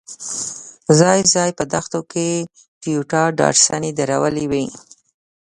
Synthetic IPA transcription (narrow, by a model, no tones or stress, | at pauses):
zɑjzɑjpəd̪axt̪oke | fijuʈɑɖɑ̰ʈsanid̪aɾawəliwi